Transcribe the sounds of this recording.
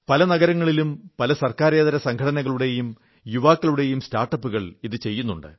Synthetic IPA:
pɐlɐnɐɣɐɾɐŋːɐɭilumpɐlɐsɐrkaːɾe̞ːðɐɾɐsɐŋkʰɐɽɐnɐɣɐɭuɽe̞jum | juʋaːkːɐɭuɽe̞jumstaːrʈːɐpːuɣɐɭiðɨt͡ɕe̞jːun̪ːuɳɖɨ̰

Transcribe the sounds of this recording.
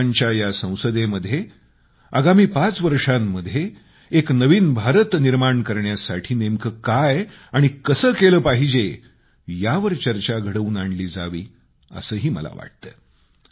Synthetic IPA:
ɲt͡ɕjajasə̃w̃səd̪eməd̪ʱje | a̰ɡamiːpat͡sʋəɾʂamːəd̪ʱje | eknəʋiːnbʱaɾət̪niɾmaɳkəɾɳjasaʈʰiːnemkʰəkaj | aɽ̃ikəsəːkeləːpaɦid͡ʑe | jaʋəɾt͡ɕəɾt͡ɕaɡʱəɽəuːnaɳɖliːd͡za̰ʋiː | ə̰səːɦiːmə̰la̰ʋa̰ʈ̚t̪əː

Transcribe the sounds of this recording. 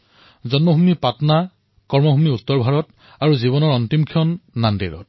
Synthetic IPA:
zɔnmɔɦumipatna | kɔɹmɔɦumiutːɔɹbʱaɹɔt | aɹuziβɔnɔɹɔntimkʰiɔnːandḭɹɔ̰t̚

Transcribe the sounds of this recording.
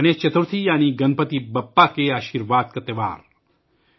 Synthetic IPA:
ɐneːt͡ʃɐt̪uɾt̪ʰijaːniɡɐnpət̪ibɐpːakeaːʃiːɾʋaːd̪̚kɐt̪ːeʋa̰ːɾ

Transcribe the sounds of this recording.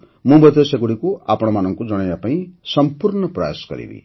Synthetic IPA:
mubʌt̪esekuɽikoapɽ̃amanʌŋkod͡zʌɽ̃ʌjapaĩsʌmpurɳʌpra̰ja̰sɡʌ̰ɾḭbḭ

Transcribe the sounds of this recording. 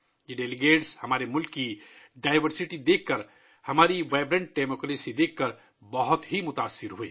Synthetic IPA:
jeɖeliɡeːʈshəmaːɾemʊlkːiɖaːɪʋəɾsiʈid̪ekːəɾ | həmaːɾiʋaɪbɾə̃ɳ̚ɖemoklesid̪ekːəɾ | bəɦʊt̪ɦimʊt̪aːsːɪɾɦue

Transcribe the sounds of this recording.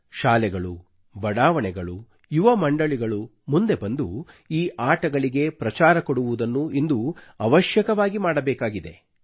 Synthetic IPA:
ʃaːlɛɡɐɭu | bɐɽaːʋɐɳɛɡɐɭu | juʋɐmɐɳɖɐɭiɡɐɭu | mund̪e̞bɐnd̪uiːʔaːʈɐɡɐɭiɡe̞pɾɐt͡ʃaːɾɐkoɽuʋud̪ɐnːuind̪uɐʋɐʃjɐkɐʋaːɡimaːɽɐbɛːkaːɡid̪e̞̰

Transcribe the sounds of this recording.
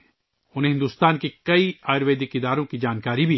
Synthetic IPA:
ʊnẽɦɪ̃nd̪uːst̪aːnkekɐiaːjɾʋeːd̪ɪkɪd̪aːɾõkid͡ʒaːnkaːɾibʱi

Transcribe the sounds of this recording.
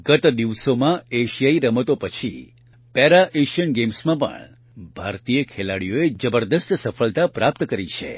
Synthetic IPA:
ɡət̪d̪iʋsomãeʃijaiɾəmət̪opət͡ʃʰḭ | pɛɾaʔeʃənɡemsmãpə̰ɳ | bʱaɾt̪ijəkʰelaɽijoed͡ʒəbəɾd̪əst̪səfʰəlt̪apɾap̚t̪kəɾit͡ʃʰḛ

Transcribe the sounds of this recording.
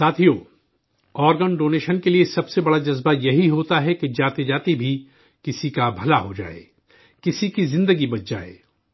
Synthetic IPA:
saːt̪ʰijoː | ɔːɾɡənɖoːneːʃənkeliesɐbsebɐɽad͡ʒɐzbajɐɦiɦoːt̪aɦɛked͡ʒaːt̪ed͡ʒaːt̪ibʱi | kɪsikabʱɐlaɦod͡ʒa̰ːḛː | kɪsikizɪ̃nd̪əɡibɐtd͡ʒa̰ːḛː

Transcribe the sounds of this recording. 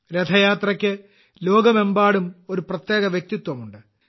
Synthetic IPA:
ɾed̪ʰʱɐjaːt̪rɐkʲːɨ | lo̞ːɡɐme̞mbaːɽumo̞ɾuprɐt̪jeːɣɐʋjek̚t̪it̪ːwɐmuɳɖɨ

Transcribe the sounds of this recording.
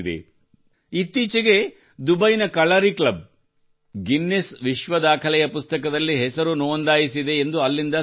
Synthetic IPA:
d̪ḛ | it̪ːiːt͡ʃɐɡe̞ | d̪ubɐjnɐkɐɭɐɾiklɐb̚ | ɡinːesʋiʃʋɐd̪aːkʰɐlɛjɐpust̪ɐkɐd̪ɐlːiɦɛsɐɾunoːnd̪aːjisid̪e̞ːnd̪uɐlːind̪ɐ

